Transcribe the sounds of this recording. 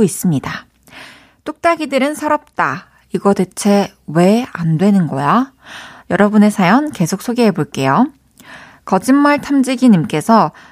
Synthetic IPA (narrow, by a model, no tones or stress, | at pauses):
is͈ɯmɲida | t͈ok̚t͈aɡidɯɾɯnsʰʌɾʌp̚t͈a | iɡʌdet͡ɕʰe̞ | we̞a̰ndwe̞nɯnɡʌjajʌɾʌbune̞sʰajʌnke̞sʰok̚s͈ʰoɡeɦeboɭk͈e̞jo | kʌd͡ʑimːaɭtʰamd͡ʑiɡiɲimk͈e̞sʰʌ